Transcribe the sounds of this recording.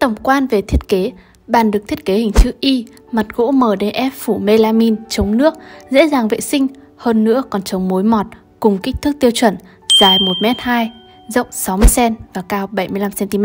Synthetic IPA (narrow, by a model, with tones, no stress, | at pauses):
t̪ə˧˩wŋ͡mkwaː˧nve˨˩t̪ʰi˦˥ət̚ke˨˦ | ɓaː˧˩nɗɨ˨˩k̪̚ʰi˦˥ət̚ke˨˦hï˨˩ŋ̟t͡ɕɨ̰˧˥ʔi˧ | ma˨˩t̚ɣo̰˧˥məː˨˩ɗe˧ʔɛ˦˥p̚fu˧˩me˧laː˧mi˧nt͡ɕə˨˦wŋ͡mnɨ˦˥ək̚zḛ˧˥zaː˨˩ŋvḛ˧˨sï˧ŋ̟ | həː˧nːɨ̰˧˥əkɔ˨˩nt͡ɕə˨˦wŋ͡mmo˨˦jmɔ˨˩t̚ | kʊ˨˩ŋ͡mkï˦˥k̚t̪ʰɨ˦˥k̚t̪i˧əwt͡ɕwə̰˧˩n | zaː˨˩jmo˨˩t̚mɛ˦˥t̚haː˧j | zə̰˧˨wŋ͡msa˨˦wmɨ˧əjsɛ˧nvaː˨˩kaː˧wɓə˧˩jmɨ˧əjla˧msɛ˧nt̪i˧mɛ˦˥